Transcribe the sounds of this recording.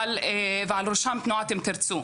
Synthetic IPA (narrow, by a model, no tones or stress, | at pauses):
leveʕalɾoʃamt̪nuat̪emt̪iɾt͡su